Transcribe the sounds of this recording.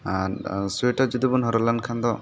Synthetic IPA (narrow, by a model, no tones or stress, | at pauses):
aɾseʈad͡ʒud̪ubunɦɔɾɔlankʰand̪ɔ